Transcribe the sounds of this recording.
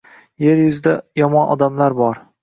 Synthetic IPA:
jeɾjʊzɪd̪ajɒmɒnʔɒ̰d̪amlaɾbɒɾ

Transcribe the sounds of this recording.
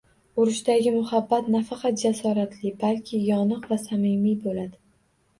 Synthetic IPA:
ʊɾɪʃd̪aɡʲɪmʊhabːat̪nafɑqɑt̪̚d͡ʒasɒɾat̪ʰlɪbalkʲʰɪjɒnɨqvasamɪmijbolad̪ɪ

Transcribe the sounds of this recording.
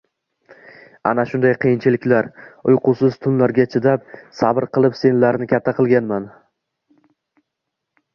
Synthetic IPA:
a̰naʃʊnd̪ajqʰɨjɪnt͡ʃʰɪlɪkʲlaɾʊjqʊsɪz̥t̪ʰʊnlaɾɡʲat͡ʃʰɪd̪ap̚sabɪɾqɨlˠɪpse̞nlaɾnɪkʲʰat̪ʰːaqʰɨlˠɡʲanman

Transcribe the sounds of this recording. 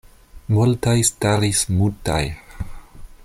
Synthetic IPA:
multajstaɾismuta̰j

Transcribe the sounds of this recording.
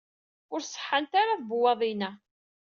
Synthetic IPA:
ʊɾsˤə̥ħːant̪aɾaðbuwɑðˤinæ

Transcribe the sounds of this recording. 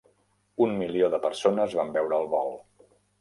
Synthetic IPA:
unmilioðəpəɾsonəzβambɛwɾəːlˠβɔlˠ

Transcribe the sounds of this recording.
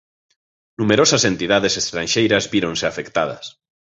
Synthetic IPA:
numeɾosasent̪iðað̞esest̪ɾanʲʃejɾazβiɾõnseafekt̪að̞a̰s

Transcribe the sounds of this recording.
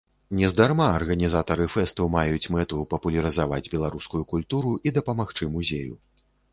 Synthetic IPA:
nʲɛzd̪armaɐrɣɐnʲizat̪ɐɾɨfɛst̪umajut͡sʲmɛt̪upɐpulʲɐɾɨzava̰d͡zʲbʲɛlˠaɾuskujukulʲt̪uɾuʔid̪ɐpɐmaxt͡ʂɨmuzʲejṵ

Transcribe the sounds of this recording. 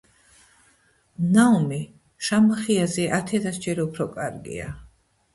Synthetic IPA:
naumi | ʃamaχiazɛʔat̪ʰɛd̪asd͡ʒɛɾupʰɾɔkʼaɾɡḭa̰

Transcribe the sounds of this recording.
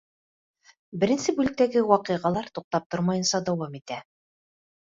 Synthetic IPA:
bɘ̆ɾɘ̆nsɘbʉlɘ̆k̚t̪æɡɘwɑqɤ̆ʁɑlˠɑɾt̪uq̚t̪ɑp̚t̪oɾmɑjɤ̆nsɑd̪æwɑmit̪æ

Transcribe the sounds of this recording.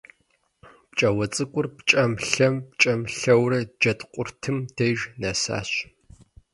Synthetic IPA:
pt͡ʃʼɐwɐt͡sʼɨkʷʼʊrpt͡ʃʼɐmɬɐmpt͡ʃʼɐmɬɐwrɐd͡ʒɐtqʷʼʊrtʰɨmdʰejʒnasa̰ːɕ

